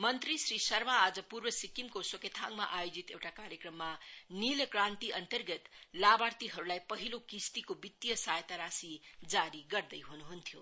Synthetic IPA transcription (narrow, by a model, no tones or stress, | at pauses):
mʌnt̪risrisʌrmaːd͡zʌpurbʌsikimkosʌket̪ʰaŋɡma̰ʔajod͡zit̪ewʈakaɾjekrʌmːanilkrãnt̪iʔʌnt̪ʌrɡʌt̪labart̪iɦʌɾulajpʌɦilokist̪ikobit̪ːjʌsajt̪aɾasid͡zaɾiɡʌrd̪ʌjɦunuɦunt̪ʰjo